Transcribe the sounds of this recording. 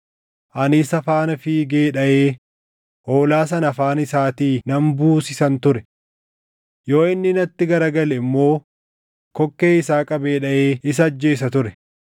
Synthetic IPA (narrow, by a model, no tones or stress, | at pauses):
ʔɐnɪsɐfaːnɐfɪɡeːᶑɐʔeː | ʔo̞ːlaːs̬ɐnɐfaːnɪsaːt̪iːnɐmbuːsɪsɐnt̪ʊɾɛ | jo̞ːɪnːɪnɐt̪ːɪɡɐɾɐɡɐlɛɪmːo̞ː | kɔkːe̞ːɪsaːkʼɐbe̞ːᶑɐʔeːɪs̬ɐd͡ʒːe̞ːs̬ɐt̪ʊɾɛ